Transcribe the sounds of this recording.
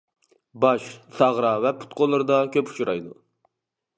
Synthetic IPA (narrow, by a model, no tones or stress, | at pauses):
bɑʃsɑʁɾɑvɛpʰu̥t̪̚qolˠːɨɾɨd̪ɑkʲʰøpu̥t͡ʃʰuɾɑ̰jd̪u